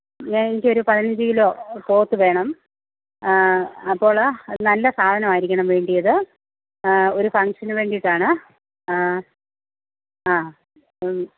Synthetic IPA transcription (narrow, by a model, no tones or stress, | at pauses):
ɲaːnenikʲːo̞ɾupɐðinɐɲd͡ʑɨilo̞ːpo̞ːt̪ːɨʋe̞ːɳɐm | ɐpːo̞ːɭnɐlːɐsaːd̪ʱɐnɐmaːjiɾikʲːɐɳɐmʋe̞ːɳɖijɐðɨ | o̞ɾufɐŋkʂɐnɨʋe̞ːɳɖiiʈːaːɳɨ | aː